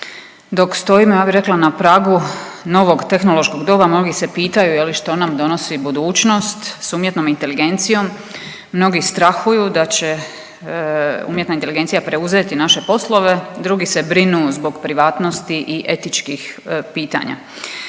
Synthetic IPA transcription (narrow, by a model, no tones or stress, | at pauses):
d̪o̞kst̪o̞imjaːbiɾe̞klˠanapɾaːɡuno̞ʋo̞ɡt̪e̞xnolˠo̞ʃko̞ɡd̪obamno̞ɡise̞piːt̪ajujeliʃt̪o̞namd̪o̞no̞sibud̪uːt͡ʃno̞st̪suːmjet̪no̞mint̪e̞liɡe̞nt̪sijo̞mː | no̞ɡist̪ɾaxujud̪at͡ɕe | ṵːmjet̪naint̪eliɡe̞nt̪ijapɾe̞uze̞t̪inaʃe̞po̞slˠo̞ʋe̞d̪ɾuɡise̞bɾinuzbo̞ɡpɾiʋaːt̪no̞st̪iʔiʔe̞t̪it͡ʃkixpiːt̪a̰ɲa̰